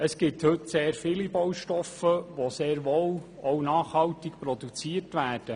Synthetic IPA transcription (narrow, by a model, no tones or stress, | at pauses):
əsɡ̥ɪthɵtseːɾfɪːlibowʃtɔfəʋoseːɾʋow | ownɑːχhɑwtɪkpɾɔd̪ut͡siːərtʋæːrd̥ə